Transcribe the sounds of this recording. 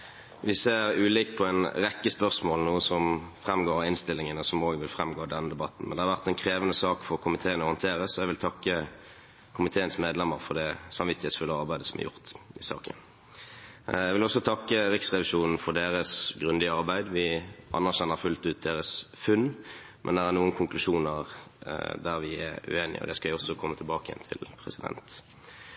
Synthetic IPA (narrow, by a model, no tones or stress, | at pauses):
ʋɪseːʁʉːlɪk̪pʰɔɛnʁɛkːəspœʁsmoːlnuːəsɔmfʁɛmːɡoːɾɪnst̪ɪlːɪŋənɔsɔmoːɡʋɪlfʁɛmɡoːd̪ɛnəd̪ɛbɑt̪n̩mɛnd̪ɛhɑɾʋæʁt̪ɛnkʰʁeːʋənəsɑːkfɔkʰʊmɪt̪ʰeːənɔʁjənt̪ʰeːʁəsɔɛɪɡʋɪlt̪ʰɑkːə | kʰʊmɪt̪ʰeːənsmeːd̪lɛmːəʁfɔʁd̪ɛsɑmʋɪt̪ɪhɛːt̪sfʉləɑʁbæɪd̪əsɔmæ̰jʊ̰ʁt̪ɪsɑ̰ːkə̰n | jɛɡʋɪlɔsːɔt̪ʰɑkːəʁɪksʁɛʋɪʂuːnn̩fɔʁd̪eːʁəsɡʁʉnd̪ɪəɑʁbæɪd̪ʋɪʔɑ̰nːæʁɕɛnːəɾfʉlt̪ʉːt̪̚d̪eːʁəsfʉnː | mʔɛnd̪ɛʁæɾnuːənkʰʊŋklʉʃuːnəʁ | d̪æʁʋɪɛ̰ɾʉ̰eːnɪ̰ɔ̰d̪ɛskɑɪɔsːɔkʰɔmːət̪ʰɪlbɑːkəjɛ̰nt̪ʰɪ̰lpʰʁɛsɪd̪ɛ̰nt̪